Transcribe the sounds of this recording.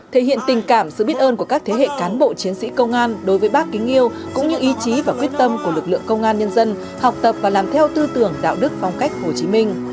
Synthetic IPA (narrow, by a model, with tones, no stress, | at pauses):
t̪ʰe˧˩hḭ˧˨ənt̪ï˨˩ŋ̟kaː˧˩msɨ̰˧˨ɓi˦˥ət̚ʔəː˧nku˧˩əkaː˦˥k̚t̪ʰe˨˦ɦḛ˧˨kaː˨˦nɓo̰˧˨t͡ɕi˨˦ənsḭ˧˥kə˧wŋ͡mʔaː˧nɗo˨˦jvəː˨˦jɓaː˦˥kːi˨˦ŋʔi˧əw | kʊ̰˧˥ŋ͡mɲɨ˧ʔi˨˦t͡ɕi˨˦vaː˨˩kwi˦˥ət̚t̪ə˧mku˧˩əlɨ˨˩k̚lɨ̰˧˨əŋkə˧wŋ͡mʔaː˧nɲə˧nzə˧n | ha˨˩wk͡p̚t̪ə˨˩p̚vaː˨˩laː˨˩mt̪ʰɛ˧wt̪ɨ˧t̪ɨ˨˩əŋɗa̰ː˧˨wɗɨ˦˥k̚fɔ˧wŋ͡mka˦˥jk̚ho˨˩t͡ɕi˨˦mï˧ŋ̟